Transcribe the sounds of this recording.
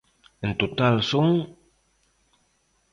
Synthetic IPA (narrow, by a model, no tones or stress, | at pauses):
ənt̪ot̪alsuŋ